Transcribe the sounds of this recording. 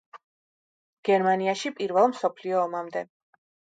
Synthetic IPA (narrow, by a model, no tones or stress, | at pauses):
ɡ̥ɛɾmaniaʃipʼiɾvɛlˠmsɔpʰliɔːmamd̪ɛ